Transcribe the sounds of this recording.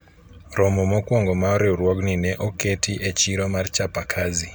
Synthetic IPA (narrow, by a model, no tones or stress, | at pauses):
ɾɔmɔmɔkwɔŋɡɔmaɔɾeuɾwɔɡninɛʔɔketʰiʔet͡ʃiɾɔmart͡ʃapakʰazi